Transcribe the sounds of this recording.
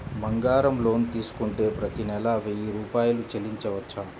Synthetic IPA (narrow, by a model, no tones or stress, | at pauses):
mɐŋɡaːɾɐmlo̞ːnt̪iːsu̥kuɳʈe̞ːpɾɐt̪inɛlɐʋiɾuːpaːjɐlut͡ʃeliɲt͡ʃɐʋɐt͡ʃːaː